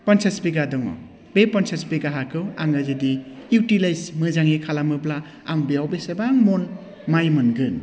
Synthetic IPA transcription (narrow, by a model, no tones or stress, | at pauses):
pɐnsʰesbiɡadɔŋɔ̰ | bepɔnsʰesbiɡaɦakɯwaŋɐzidiitilajsmɯzaŋekʰalamɯpla | aŋbeawbesebaŋmon | majmɯnɡɯn